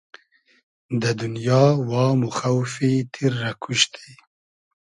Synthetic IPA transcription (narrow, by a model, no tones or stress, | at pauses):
d̪əd̪ʊnjɑwɑmuxawfit̪ʰiɾːakʰuʃt̪ʰi̥